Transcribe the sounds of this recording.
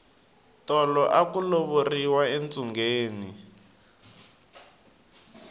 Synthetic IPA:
tɔlɔʔakuloβoriwaent͡sʼuŋɡeːni

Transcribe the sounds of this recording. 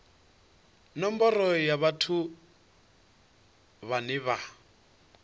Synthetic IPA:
nɔmbɔrɔjaβatʰu | βanɪβa

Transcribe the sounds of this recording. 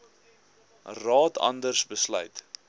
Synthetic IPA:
rɑːtʰɐ̰ndərsbəslœ̰ɥt

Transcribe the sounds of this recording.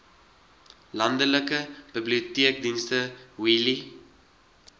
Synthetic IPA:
lɐndələkəb̥ibliutiək̚dinstəwili

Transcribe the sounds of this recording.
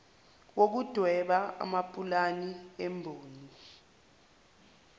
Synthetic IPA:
wok̬ud̥ʱwɛɓaa̰mapʼulaniɛmbʱoːni

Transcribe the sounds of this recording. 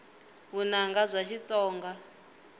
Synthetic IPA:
βunaŋɡazʷaʃit͡sʼɔːŋɡa

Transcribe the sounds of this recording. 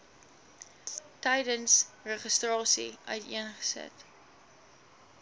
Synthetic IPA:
təjdənsrəχəstrɑːsḭʔœ̰ɥtiənχə̥sə̰t

